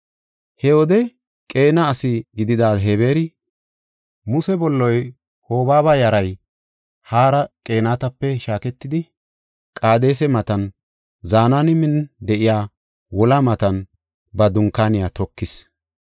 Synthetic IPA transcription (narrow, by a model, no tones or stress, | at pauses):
hɛwɔd̪ɛ | kʼe̞ːnɐːsɪɡɪd̪ɪd̪aːɦebe̞ːɾɪ | mʊsɛbɔlːɔj | ho̞ːbaːbɐjɐɾɐj | haːɾɐkʼe̞ːnaːt̪ɐpːɛʃaːkɛt̪ːɪd̪ɪ | kʼaːd̪e̞ːs̬ɛmɐt̪ɐn | zaːnanɪmɪnd̪ɛʔɪjaː | wɔlɐmɐt̪ɐn | bɐd̪ʊŋkːaːnɪjat̪ɔkːɪs